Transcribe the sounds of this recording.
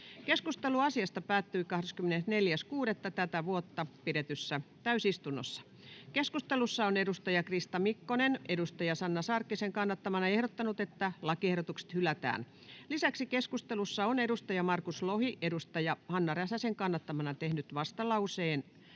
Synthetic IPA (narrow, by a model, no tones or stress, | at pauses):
keskust̪eluɑsiɑst̪ɑpæːt̪ːyikɑhɾeskymːenesneljæskuːɾet̪ːɑt̪æt̪æʋuot̪ːɑpiɾet̪ysːæt̪æysist̪unːo̰sːɑ̥ | keskust̪elusːɑonedust̪ɑjɑkrist̪ɑmikːonenedust̪ɑjɑsɑnːɑsɑrkːiseŋkɑnːɑt̪ːɑmɑnɑehɾot̪ːɑnut̪et̪ːælɑkiehɾot̪ukse̥t̪hylæt̪æ̰ːn | lisæksikeskust̪elusːɑonedust̪ɑjɑmɑrkuslohiʔedust̪ɑjɑhɑnːɑræsæseŋkɑnːɑt̪ːɑmɑnɑt̪ehnyt̪ʋɑst̪ɑlɑuseːn